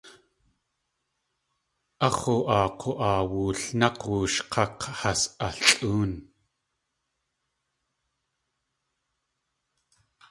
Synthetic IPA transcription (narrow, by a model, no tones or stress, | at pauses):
ʔɑχuʔɑːqʰoʔɑːwuːɬnɑqwuːʃqʰɑqhasʔaɬɬʼuːn